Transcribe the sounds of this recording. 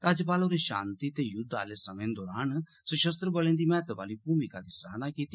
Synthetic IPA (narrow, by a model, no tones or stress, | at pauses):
ɾaːd͡ʒəpaːloɾeʃã̰ːnt̪it̪ejʊd̪a̰ːlesəmẽnd̪ɔːɾaːn | sʊʃəs̬t̪ɾəbəlẽːnd̪imɛːt̪əʋa̰ːlibuːmɪkad̪isaːɦnakiːt̪i